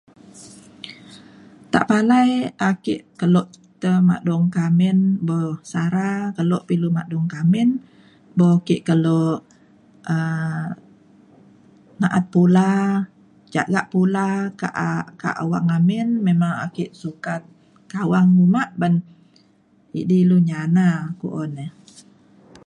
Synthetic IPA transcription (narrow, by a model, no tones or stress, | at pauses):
t̪a̰ʔpalajakiʔkəloʔt̪əma̰ʔdɔŋkamɪnbɔsaɾakəloʔpilumaʔdɔŋkamɪn | bɔkiʔkəloʔ | ʔə | naʔat̪̚pula | d͡ʒa̰ʔɡaʔpulaka̰ʔka̰ʔwaŋamɪnmemaŋa̰kiʔsukat̪̚ | kawaŋumaʔban | ḭʔdiluɲanakṵʔonəh